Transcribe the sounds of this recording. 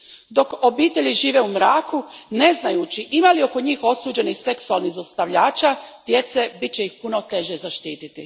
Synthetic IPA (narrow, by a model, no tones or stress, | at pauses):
d̪o̞ko̞biːt̪e̞ʎiʒiːʋeumɾaːkune̞znajut͡ʃiʔimalio̞ko̞ɲiːxo̞suːd͡ʑe̞nixse̞ksualˠniɣzast̪aʋʎaːt͡ʃad̪̥je̞t̪se̞bit̪̚t͡ɕe̞jixpuno̞t̪e̞ʒezaʃt̪iːt̪it̪ḭ